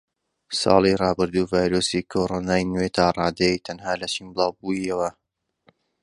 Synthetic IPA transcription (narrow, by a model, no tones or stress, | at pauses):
sɑ̰ːlˠirɑːbɨɾd̪uːvaːjɾosikʰoɾonaːjnwet̪ʰaːrˤɑːd̪ejit̪ʰɐnhaːlɐt͡ʃimbɨlˠɑːwbuiɐwɐ